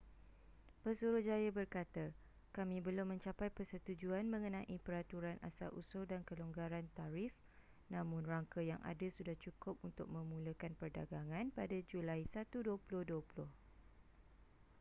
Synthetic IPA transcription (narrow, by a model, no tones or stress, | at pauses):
pəsuɾʊhd͡ʒajabərkat̪a | kamĩbəlʊmə̃ɲt͡ʃapajpərsət̪ud͡ʒuanmə̃ŋə̃nãʔipəɾat̪uɾana̰sa̰lʔṵsodankəluŋɡaɾant̪aɾɪf | nãmʊ̃nraŋkajaŋʔa̰dasudaht͡ʃukʊp̚unt̪ʊk̚mə̃mũləkanpərda̰ɡaŋãnpadad͡ʒulaisat̪uduəpulʊhduəpulʊh